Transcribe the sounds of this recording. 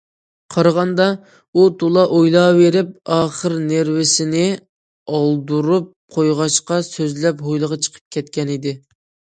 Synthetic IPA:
qʰɑɾɑʁɑnd̪ɑ | ut̪ʰolˠɑʔojlˠɑveɾɪp̚ɑːχəɾneɾwɪsɪnɪ | ɑlˠd̪uɾup̚qʰojʁɑʃqɑsøzlɛpɦojlˠəʁɑt͡ʃʰə̥qʰə̥p̚kʲʰɛt̪kʲɛnɪd̪ɪ

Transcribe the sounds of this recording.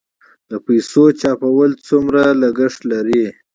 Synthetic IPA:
d̪̥əpajsot͡ʃɑpawəlt͡sumɾalaɡəʂʈ̪laɾi

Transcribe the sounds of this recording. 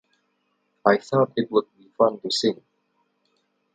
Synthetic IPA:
ajθɔtɪt̚wʊd̚bifãndusɪ̃ŋ

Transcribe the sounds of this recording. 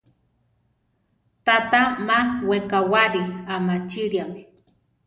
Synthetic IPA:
t̪at̪amawekawaɾiamat͡ʃiɾiami

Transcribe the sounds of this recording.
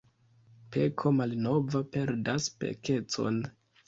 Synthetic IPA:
pe̞kʰo̞malno̞vape̞ɾdaspḛke̞t͡so̞̰n

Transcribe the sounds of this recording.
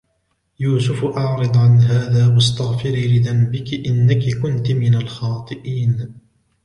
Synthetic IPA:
juːsʊfʔɑʕɾɨd̪ˤʕanɦaːðaːwɑst̪aɣfɪɾilɪðanbɪkɪʔɪnːakɪkʊnt̪mɪnalxɑːt̪ˤɨʔiːn

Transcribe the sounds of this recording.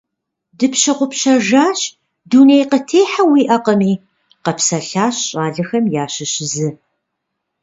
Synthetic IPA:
dɨpɕɐqʷʊpɕɐʒaːɕ | duːnejqətʰeːħawiːʔɐqəmiː | qɐpsɐɬaːɕɕʼaːɮɨxɐmjaːɕɪɕɪzɨ

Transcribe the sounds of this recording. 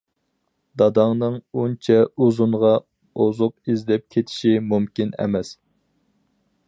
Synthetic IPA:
d̪ɑd̪ɑŋnɨŋunt͡ʃʰɛuzuɴʁɑ | ozʊq̚izd̪ɛp̚kʲʰet̪ʰɪ̥ʃimumkʲinɛ̰mɛs

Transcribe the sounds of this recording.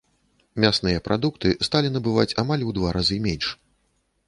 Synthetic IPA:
mʲasnɨjɐpɾʔad̪ukt̪ɨst̪alʲinɐbɨvat͡sʲamalʲud̪vaɾʔazɨmʲɛnʲʂ

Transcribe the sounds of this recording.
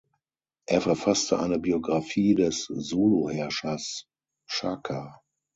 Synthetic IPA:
ʔeːɐfɛɐfastəʔaɪnəbioɡʁafiːdɛszoːlohɛɐʃas | ʃakʰa

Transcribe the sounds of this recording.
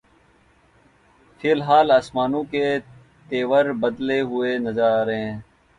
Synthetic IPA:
fʰɪlɦaːlaːsmaːnõːkeː | t̪eːʋəɾbəd̪leːɦʊeːnəzaːɾɦẽː

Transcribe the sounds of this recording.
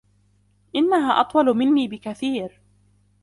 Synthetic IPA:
ʔɪnːaɦaːʔɑt̪ˤwɑlmɪnːiːbɪkaθiːɾ

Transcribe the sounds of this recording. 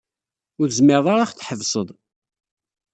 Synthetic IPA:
ʊɾzmɪɾðˤaɾaχθħəvsˤəðˤ

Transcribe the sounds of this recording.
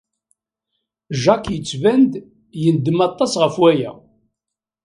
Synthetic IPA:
ʒɑkjət͡sːvænd̪ | jənd̪ːəmɑt̪ˤːɑsʁəfwæjæ̰

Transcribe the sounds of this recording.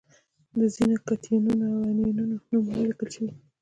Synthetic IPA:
d̪əzinokat̪ʰinunoawaninunonumwlikəlt͡ʃai

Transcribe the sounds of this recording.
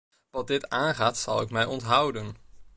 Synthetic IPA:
ʋɑt̚dɪtaːnχaːtsɑ̰lˠɪkmɛjɔntɦʌwdən

